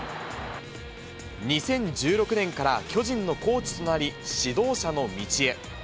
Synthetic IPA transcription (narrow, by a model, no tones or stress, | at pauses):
ɲ̟isẽ̞ɲ̟d͡ʑɨːɾo̞kɯ̟nẽ̞ŋkaɾakʲo̞ʑĩnːo̞ko̞ːt͡ɕi̥t̪o̞naɾʲiɕid̪o̞ːɕano̞mʲit͡ɕie̞